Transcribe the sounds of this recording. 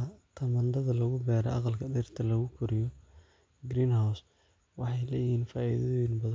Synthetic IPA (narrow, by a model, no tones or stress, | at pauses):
t̪ʰɐmɐnd̪ɐðɐlɐɣʊɡaːɾɛ̰ʔɑqɑlkʰɐɗɪrt̪ʰɐlɐɣʊkʰʊɾɪjɔ | ɡɾiːnhaws | wɑħɑjlɛːjɪhiːnfaːʔḭːðɐinbɐðɐ